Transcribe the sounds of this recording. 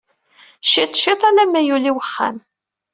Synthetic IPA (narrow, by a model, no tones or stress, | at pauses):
ʃit̪ˤːʃit̪ˤælæmæjuliwəχːæ̰m